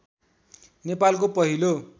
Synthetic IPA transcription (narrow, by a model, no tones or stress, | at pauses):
nepalk̬opʌɦilo